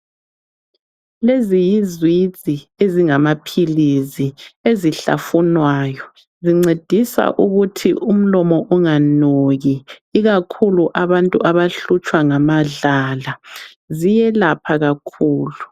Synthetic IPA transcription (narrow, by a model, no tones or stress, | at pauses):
lezijizwi̥zʼʱieziŋamapʰilizieziɬa̰funwaːjɔ | ziŋ͡ǀed̥ʱisa̰ʔuɣutʰḭum̩lɔmɔʔɔŋanoɣiːɣakʰuluʔaβantʼuʔaβaɬut͡ʃʼwaŋamaɮaːla | zijɛlapʰaɣakʰuːlu